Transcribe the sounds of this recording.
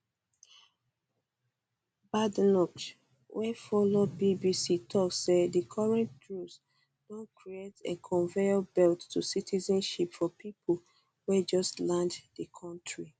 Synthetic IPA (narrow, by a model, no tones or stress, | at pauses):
badnɔt͡ʃ | wʔɛfɔlod̚bibisitʰɔkssedikʰɔɹɛ̃nt̚ɡɹus | d̥õnkʰɹietekʰɔ̃nveɔbɛltːusitʰizɔ̃nʃipfɔpʰipʰo | wɛd͡ʒɔstlãnddəkʰɔ̃ntʰɹi